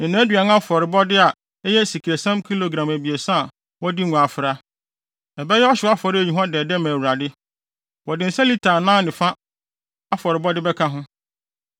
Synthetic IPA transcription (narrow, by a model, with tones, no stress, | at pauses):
nɪ̃˨nãː˨˦dɥa˨n˦a˦fɔ˨ɾɪ˨bɔ˦dɪ˦a˨ | ɛ˦jɛ˦si˨kʰɾe˨sã˦mkʰi˦lo˨ɡɾã˨mæ˨bi˨e˨sã˦˨ | wɔ˦di˦ŋʊ̃˨a˨fɪ˨ɾa˦ | ɛ˨bɛ˦jɛ˦ɔ˦ɕɪ˨˦a˦fɔ˨ɾɪ˦æ˨ɲĩ˨ɦɔ̃˦dɛː˨dɛ˦mã˨wu˨ɾa˨dɪ˦ | wɔ˨dɪ˨n̩˨˦sa˦li˦tʰaː˨nã˦nɪ̃˨fã˦ | a˦fɔ˨ɾɪ˨bɔ˦dɪ˦bɛ˦kʰa˦ɦʊ̃˦